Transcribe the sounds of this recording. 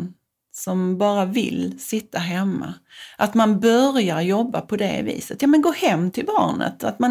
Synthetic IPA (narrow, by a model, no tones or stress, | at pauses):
sɔmbɑːɾavɪ̰lsɪt̪ːaɦɛmːa̰ʔat̪manbœɾjaɾjɔbːapʰɔd̪ɛ̰vḭːsət̪jɑːmɛnɡoːhɛmːt̪ʰɪlbɑ̰ːɳə̰t̪ʰat̪man